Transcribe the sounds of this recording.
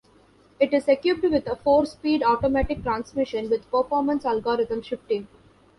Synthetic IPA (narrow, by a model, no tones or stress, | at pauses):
ɪʈɪzekjub̚ɖʋɪd̪əfoːɾspiːɖɔːʈomæʈɪk̚ʈɾãːnsmɪʃə̃nʋɪd̪pəɾfɔːɾmə̃nsælɡoːɾɪt̪ə̃mʃɪp̚ʈĩːm